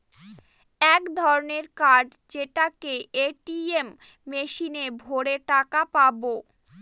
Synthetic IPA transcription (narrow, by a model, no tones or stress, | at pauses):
ɛkd̪ʱɔɾoneɾkaɖ | d͡ʑeʈakeeʈiemː | eʃinebʱoɾeʈakapabo